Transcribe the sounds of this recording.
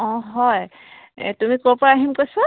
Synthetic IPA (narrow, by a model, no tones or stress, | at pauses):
ɔ̃ɦɔj | tumikoɹpɔaaɦimkojsɔ